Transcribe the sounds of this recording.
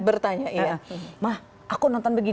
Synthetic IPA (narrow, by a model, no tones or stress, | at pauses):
bərt̪aɲaʔijamah | ʔakunɔnt̪ɔnbəɡi